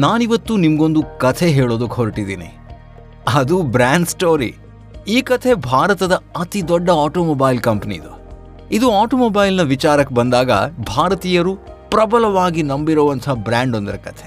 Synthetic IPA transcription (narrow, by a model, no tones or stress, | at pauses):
naːniʋɐt̪ːunimɐɡo̞nd̪ukɐt̪ʰeɦeːɭoːd̪ukɦoɾʈid̪ḭːnḭ | ɐd̪ubɾaːɳɖsʈoːɾḭ | iːkɐt̪ʰe̞bʱaːɾɐt̪ɐd̪ɐɐt̪id̪ɔɖːɐaːʈoːmoːbaːjlkɐmpɐnḭd̪u | id̪uaːʈoːmoːbɐːjlnɐʋit͡ʃaːɾɐkːebɐnd̪aːɡɐ̰bʱaːɾɐt̪iːjɐɾupɾɐbɐlɐʋaːɡinɐmbiɾoːʋɐnt̪ʰɐɦɐbɾaːɳɖond̪ɐɾɐkɐt̪ʰe